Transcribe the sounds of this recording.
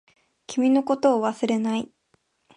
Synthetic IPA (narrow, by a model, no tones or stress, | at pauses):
kʲimʲino̞ko̞t̪o̞ːβasɨɾe̞nai